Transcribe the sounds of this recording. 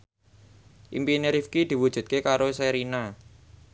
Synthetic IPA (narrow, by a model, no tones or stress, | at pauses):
ʔimpineɾifkid̪̥i̤wud̥ʒ̥ṳt̪̚kekaɾoseɾina